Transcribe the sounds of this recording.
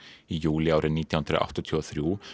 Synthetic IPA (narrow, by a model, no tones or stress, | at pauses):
iːjʉːlɪoːɾənɪt̪nhʉnd̪ɾəo̰ʔɑ̰t̪ɔt̪ʰuːoθɾiuː